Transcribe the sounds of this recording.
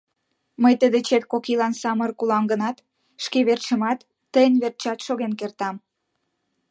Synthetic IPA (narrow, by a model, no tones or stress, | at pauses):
məjt̪əd̪et͡ɕet̪̚kokilɑnsɑmərkulɑŋɡənɑt̪ | ʃkeβert͡ɕəmɑt̪ːəjənβert͡ɕɑt̪ʃoɣenkert̪ɑm